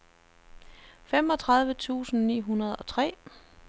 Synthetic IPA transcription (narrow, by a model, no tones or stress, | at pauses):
fem̰ɒ̽t͡sʰʁɑ̈ðˠʋət͡sʰṵːsn̩nḭːɦunɐð̞ˠɒ̽t͡sʰʁɛ̰ː